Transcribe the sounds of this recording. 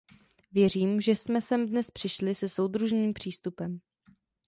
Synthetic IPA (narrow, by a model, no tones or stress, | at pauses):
vjɛr̝iːmʒɛsmɛsɛmdnɛspr̥ɪʃlɪsɛsowdɾuʒniːmpr̝̥iːst̪upɛm